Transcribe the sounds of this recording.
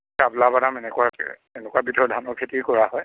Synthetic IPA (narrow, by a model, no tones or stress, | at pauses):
kablabadamɛnɛkuwasḭɛ̰ɛnɛkuabitʰɔɹdʱanɔkʰetikɔɹaɦɔj